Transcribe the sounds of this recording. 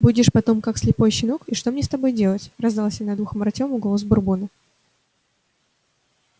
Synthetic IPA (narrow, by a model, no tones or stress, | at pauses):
budʲɪʂpɐt̪o̞mkakslʲɪpo̞jɕɪnukɪʂt̪omnʲest̪ɐbo̞jdʲe̞lˠətʲrɐzd̪alˠsʲanad̪vuxməɾɐtʲomʊɡolˠozbʊrbunə